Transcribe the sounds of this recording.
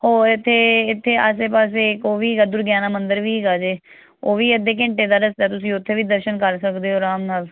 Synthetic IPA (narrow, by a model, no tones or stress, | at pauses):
hoːɪt̪ʰːeːɪt̪ʰːeːʔas̬eːpaːs̬eːɪkoːʋiːɡaːd̪ʊɾɡjaːnaːmənd̪əɾʋiːɡaːd͡ʒeː | oːʋiːəd̪eːk̬ɪ̃ɳʈeːd̪aːɾəst̪ɛːt̪ʊsĩːʊt̪ʰːeːʋiːd̪əɾʃənkəɾsəkd̪eːɦoːɾaːmnaːl